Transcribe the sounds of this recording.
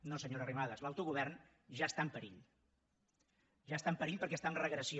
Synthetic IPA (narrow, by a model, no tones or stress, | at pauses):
nosəɲoɾərimaðəzlawt̪uɣuβ̞ɛrn | ʒast̪ampəɾiʎ | ʒast̪ampəɾiʎpəɾkɛst̪aəmrəɣɾəsi